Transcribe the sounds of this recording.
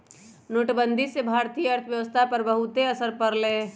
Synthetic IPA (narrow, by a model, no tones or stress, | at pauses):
noːʈbənd̪ʱisebʱaːɾt̪ijəəɾt̪ʰəʋjəʋəst̪ʰapəɾbəɦut̪eəsəɾpəɾle